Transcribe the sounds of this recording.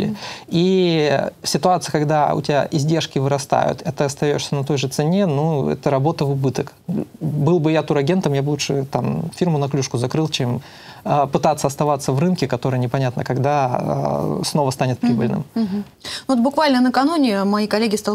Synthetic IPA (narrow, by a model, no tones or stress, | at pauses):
lʲɪ̰i | fsʲɪt̪ʊat̪sɨjəkɐɡd̪aʊ̰tʲɪbʲa̰ʔɪzʲdʲe̞rʂkʲɪvɨɾɐst̪a̰jʊ̰t̪ɛt̪əɐst̪ɐjoʂsʲənɐt̪o̞jʐɨt̪sɨnʲe̞nuɛ̰t̪əɾɐbo̞t̪əvʊbɨt̪ək | bɨlˠbɨjat̪uɾɐɡʲe̞nt̪əmjabɨlˠuʂɨ̰t̪amfʲirmʊnɐklʲuʂkʊzɐkɾɨlˠt͡ɕem | əpɨt̪at̪sːəɐst̪ɐvat̪səvrɨnkʲɪkɐt̪o̞ɾɨjənʲɪpɐnʲat̪nə̰kɐɡd̪a̰ | sno̞vəst̪anʲɪt̪̚pɾʲibɨlʲnɨ̰m | nvot̪bʊkvalʲnənəkɐnunʲɪmɐjikɐlʲːeɡʲɪst̪a